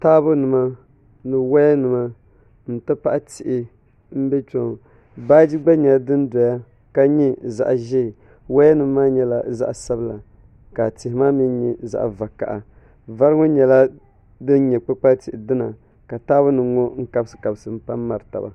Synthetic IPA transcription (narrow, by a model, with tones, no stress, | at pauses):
taː˦bʊ˦nɨ˨ma˦ | nɨ˨wa˦jɛ˦nɨ˨ma˦ | n̩˨tɨ˦pa˦ʔa˦tɪ˨ʔɪ˨ | m̩˦bɛ˦t͡ʃo˨ŋ˨ | baː˦d͡ʒi˦ɡ͡ba˦ɲɛ˨la˨˦dɨ˦n˦dɔ˨ja˦ | ka˦ɲi˦za̰˨ʔʒɛ˦˨ | wa˦jɛ˦nɨ˨mː˦aː˦ɲɛ˨la˦za̰˦ʔa˨sa˦bla˨ | ka˨tɪ˨hɪ˨˦maː˦mi˦ɲɛ˨za̰˨ʔa̰˨va˨ka̰˨ʔa˨ | va˦ɾɨ˦ŋo˦ɲɛ˨la˦ | dɨ˦n˦ɲɛ˨k͡pɨ˦k͡pa˦tɪ˨ʔɪ˨dɨ˦na˨ | ka˨taː˦bʊ˦nɨ˨˦ŋɔ˦ŋ̩˦ka˦bsɨ̥˨ka˨bɨ˨sɨ˨m̩˦pa˦m˦ma˨ɾɨ˨ta̰˨ba̰˨